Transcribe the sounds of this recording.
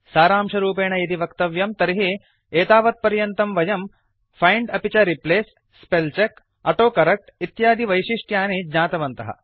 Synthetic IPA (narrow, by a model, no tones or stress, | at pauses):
saːɾaːmʃɐɾuːpeːɳɐjid̪iʋɐkt̪ɐʋjɐmt̪ɐɾiɦi | eːt̪aːʋɐt̪̚pɐɾjɐnt̪ɐmʋɐjɐm | fʰɐjɳɖɐpit͡ʃɐɾipleːsː | pelt͡ʃek | ɐʈoːkɐɾɐk̚ʈit̪jaːd̪iʋɐjʃiʂʈjaːneːɲaːt̪ɐʋɐnt̪ɐɦɐ̰